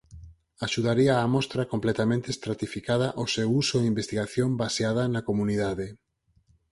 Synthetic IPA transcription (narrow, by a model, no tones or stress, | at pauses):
aʃuðaɾiaːmɔst̪ɾɐkomplɛt̪amẽnt̪est̪ɾat̪ifikað̞ɐʔosewusoeimbest̪iɣaθjombaseað̞ɐnakomuniðaðe